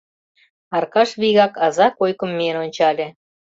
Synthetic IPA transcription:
ɑrkɑʃβiɣɑkɑzɑkojkə̆mːenonʲt͡ɕɑlʲĕ

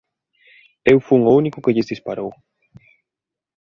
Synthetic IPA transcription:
ewfuuŋounikʊkeʎɪzðispaɾow

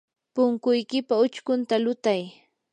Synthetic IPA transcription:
pʊŋkʊjkɪpaʊt͡ʃkʊnt̪alʊt̪aj

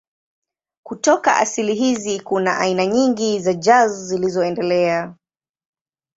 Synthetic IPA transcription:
kutɔka̰ʔa̰siliɦizikunaʔainaɲiŋɡizad͡ʒazzilizɔɛndɛlɛa

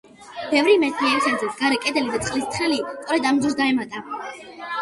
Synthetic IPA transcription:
b̥ɛvɾimɛt̪ʰniɛɾisad̪zɾɛt̪sɡaɾɛkʼɛd̪ɛlid̪at̪ʼqʼlist̪ʰχɛlist̪ʼɔɾɛd̪amd̪zusɡ̪aɛmat̪ʼa

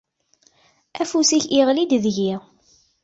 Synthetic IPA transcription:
æfusiçiʁlid̪ðʝiʁ

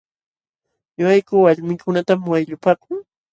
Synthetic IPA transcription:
ɲʊajkʊwaʎmɪkʰʊnat̪amwajʎʊpaːkʊŋ

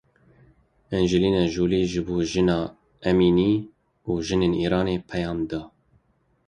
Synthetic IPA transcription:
ɛnd͡ʒɪliːnɛʒuːliːʒɨboːʒɨnɑː | ɛmiːniː | uːʒɨneːniːɾɑːneːpʰɛjɑːmd̪ɑː

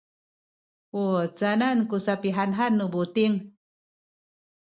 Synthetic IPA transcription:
ut͡sanankusapiɦanɦanːubut̪iŋ

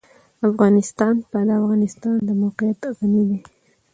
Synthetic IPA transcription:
afɣɑnɪst̪ɑnpalaafɣɑnɪst̪ɑnd̪əmowqɪjat̪ɣanid̪e

